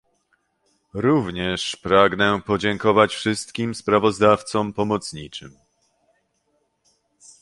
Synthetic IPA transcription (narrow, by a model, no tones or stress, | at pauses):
ɾuvɲɛʂpɾaɡnɛpɔd͡ʑɛŋkɔvat͡ɕfʂɘst̪kʲimspɾavɔzd̪aft̪sɔmpɔmɔt̪sɲit͡ʂɘ̰m